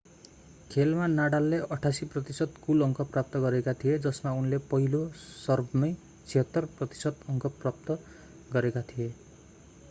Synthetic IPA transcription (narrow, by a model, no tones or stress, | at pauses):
kʰelmanaɽalːeʔʌʈʰasiprʌt̪isʌd̪kulʌŋkʰʌprap̚t̪ʌɡʌɾekat̪ʰijed͡zʌsmaunlepʌɦilosʌrbmʌj | t͡sʰiɦʌt̪ːʌrprʌt̪i̥sʌd̪ʌŋkʌprap̚t̪ʌ | ɡʌɾekat̪ʰije